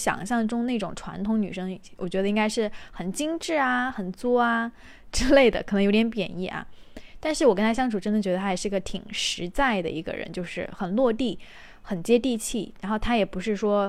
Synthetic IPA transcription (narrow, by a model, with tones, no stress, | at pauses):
ɕjɑ̰˨˩ŋɕjɑ˥˩ŋʈ͡ʂʊ˥ŋne˥˩ɪʈ͡ʂʊ̰˨˩ŋʈ͡ʂʰwa̰˧˥nt̪ʰʊ˧˥ŋny̰˨˩ʂɤ˥ŋwʔɔ˨˩t͡ɕɥɛ˧˥d̪ə˧i˥ŋɡa˥ɪʂɻ̩˥˩xə˨˩nt͡ɕi˥ŋʈ͡ʂɻ̩˥˩a˩xə˨˩nt͡swɔ˥a˩ | ʈ͡ʂɻ̩˥le˥˩ɪd̪ə̰˩kʰə˨˩nɤ˧˥ŋjo˧˥ʊt̪jɛ˧˥npjɛ̰˨˩ni˥˩ʔɐ̰˩t̪a˥˧nʂɻ̩˥˩wɔ˨˩kə˥nt̪ʰa˥ɕjɑ˥ŋʈ͡ʂʰu˨˩ʈ͡ʂə˥nd̪ə˨˩t͡ɕɥɛ˧˥d̪ə˧tʰa˥˨˩ʂɻ̩˥˩˧ɡə˧t̪ʰi˨˩ŋʂɻ̩˧˥t͡sa˥˩ɪd̪ə̰˩i˧˥ɡə̰˧ɻə̰˧˥nt͡ɕjo˥˧ʊʂɻ̩˥˩xə˨˩nlwɔ˥˧t̪i˥˩ | xə˨˩nt͡ɕjɛ˥t̪i˥˧t͡ɕʰi˥˩ɻa˧˥nxo˥˩ʊt̪ʰa˥jɛ˨˩pu˧˥ʂɻ̩˥˩ʂwɔ˥